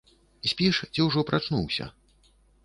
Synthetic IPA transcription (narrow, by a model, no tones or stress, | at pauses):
isʲpʲiʂt͡sʲiwʐɔpɾʔat͡ʂnuwsʲɐ̰